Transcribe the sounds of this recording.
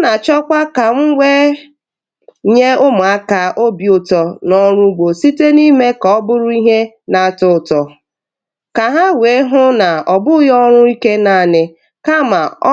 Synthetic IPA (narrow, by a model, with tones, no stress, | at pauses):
na˨t͡ʃɔ˦kʷa˦ka˨ŋ̩˦wʷe˦ | ɲe˦ʊ˦mʊ˨a˦ka˨ʔo˦bjʊ˨tɔ˨nɔ˦ɾʊ˦ɡ͡bo˨si˦te˦ni˦me˦kɔ˨ɔ˦bʊ˦ɾʊ˦i˦ɦe˦ | na˨tʊ˦˨tɔ˨ | ka˨ɦa˦we˨˦ɦʊ˦na˨ɔ˨bʊ˦jɔ˦ɾ̃ʊ˦i˦ke˦na˨nɪ˨ | ka˦ma˨ɔ˦